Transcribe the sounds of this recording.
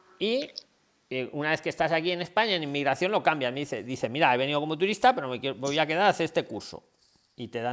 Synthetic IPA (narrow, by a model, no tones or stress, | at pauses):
i | eunaβe̞θke̞st̪asakie̞ne̞spaɲaenimːiɣɾaθjonlo̞kambjameðiθe̞ðiθe̞miɾaeβe̞niðo̞ko̞mot̪̬uɾist̪ape̞ɾomekbojakeðaɾaθeest̪e̞kuɾso̞̰ | it̪e̞ða